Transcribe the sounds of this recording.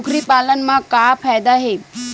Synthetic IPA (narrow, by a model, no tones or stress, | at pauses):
kʰɾiːpalənmãkafajd̪aɦe